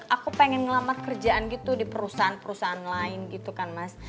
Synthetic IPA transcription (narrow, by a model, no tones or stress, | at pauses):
ʔakupeŋɛnŋəlamat̪̚kərd͡ʒaʔanɡit̪udipəɾusaɦanpəɾusaɦanlaɪnɡit̪ukanmas